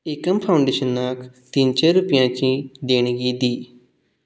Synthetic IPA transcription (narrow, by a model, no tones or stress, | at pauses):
eːkəmpʰaːʊ̃ɳɖeːʃənːaːkʰt̪int͡ʃeːɾʊpɪjãːt͡ʃĩːd̪eːɳ̃ɡiːd̪iː